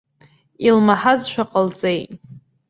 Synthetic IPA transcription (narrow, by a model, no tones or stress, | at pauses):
ilmaħazʃʷᶣaqʼəlt͡sʼejtʼ